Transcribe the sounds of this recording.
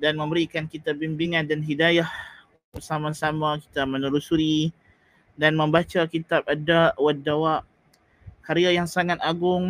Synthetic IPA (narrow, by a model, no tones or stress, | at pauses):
danmə̃mbəɾikankit̪ab̚imbiŋãndanɦidajah | bərsamasamaki̥t̪amənuɾusuɾi | danmə̃mbat͡ʃakit̪abadaʔwadːawaʔ | kaɾiajaŋsaŋat̪aɡʊŋ